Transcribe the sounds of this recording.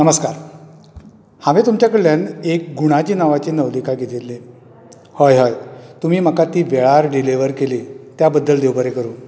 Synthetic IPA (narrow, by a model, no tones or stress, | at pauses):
nəməskaɾ | haʋet̪umt͡ɕjakəɭjanek̚ɡuɽ̃at͡ɕiːnaʋat͡ɕiːnəʋd̪ikaɡʱet̪elːe | həjɦəjt̪um̤iːm̤akat̪iːʋeɭaɾɖileʋəɾkelit̪jabəd̪ːəld̪ewbəɾekəɾuːn